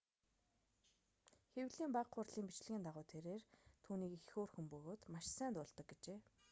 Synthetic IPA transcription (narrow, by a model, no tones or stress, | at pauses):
xewɮiːmpaqχʊrɮiːmpit͡ɕɮɘ̆ɣiːnt̪aʁʊːt̪ʰeɾeːrt̪ʰuːniːkixoːrxɘ̆mpɵɣoːt̪maʃsæːnt̪ʊːɮt̪ə̆k̚ɡet͡ɕeː